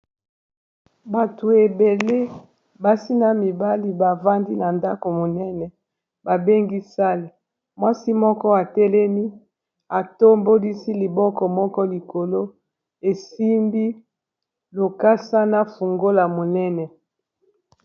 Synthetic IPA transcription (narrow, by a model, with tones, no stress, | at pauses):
ba˨tu˨e˨be˨le˦ | ba˨si˦na˨mi˨ba˦li˦ba˨va˦ndi˦na˨nda˦ko˨mo˨nɛ˦nɛ˨ | ba˨be˦ŋɡi˦sa˦le˨ | mwa˦si˦mɔ˦kɔ˦a˨tɛ˦lɛ˦mi˦ | a˨to˦mbo˦li˦si˦li˨bɔ˦kɔ˨mɔ˦kɔ˦li˨ko˨lo˦ | e˨si˦mbi˦ | lo˨ka˦sa˦na˦fu˨ŋɡo˦la˨mo˨nɛ˦nɛ˨